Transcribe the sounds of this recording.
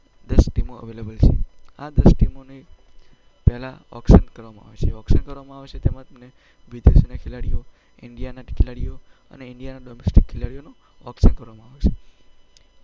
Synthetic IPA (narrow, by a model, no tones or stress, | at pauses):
d̪əsʈimoə̰ʋelebəlt͡ʃʰḛa̰d̪əsʈimone | pɛɦlaɔ̰kʃənkəɾʋamãa̰ʋet͡ʃʰeɔkʃənkəɾʋamãaʋet͡ʃʰet̪emãt̪əmne | ʋid̪esonakʰelaɽijo | ɪɳɖijanaʈkʰilaɽijo | ə̰neɪɳɖijanaɖɔmesʈikʰːelaɽijono | ɔkʃənkəɾʋamãaʋet͡ʃʰe